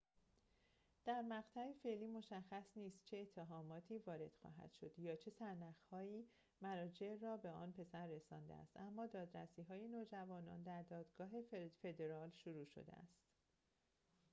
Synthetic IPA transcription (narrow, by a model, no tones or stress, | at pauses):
d̪̥æɾmæɣt̪ʰæefe̞ʔliːmo̞ʃæxːæsniːst̪̚t͡ʃʰeet̪ʰːeɦɒːmɒːt̪ʰiːvɒːɾe̞d̪̥xɒ̰ːɦæ̰d̪̥ʃo̞d̪̥jɒːt͡ʃʰe̞sæɾnæxhɒːiː | mæɾɒːd͡ʒe̞rɒːbeɒːnpʰe̞sæɾːe̞sɒːnd̪ḛæ̰st̪æmːɒːd̪ɒːd̪ɾæsiːɦɒːje̞noːd͡ʒævɒːnɒ̰ːnd̪æɾd̪ɒːd̪̥ɡɒːɦe̞fe̞d̪e̞ɾɒːlʃuɾuːʃo̰d̪ḛʔæ̰st̪